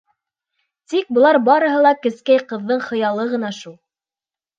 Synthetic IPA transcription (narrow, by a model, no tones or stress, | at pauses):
t̪ik̚bɤ̆lˠɑɾbɑɾɤ̆ɦɤ̆lˠɑkɘ̆skæjqɤ̆ðːɤɴχɤ̆jɑlˠɤʁɤ̆nɑʃulˠ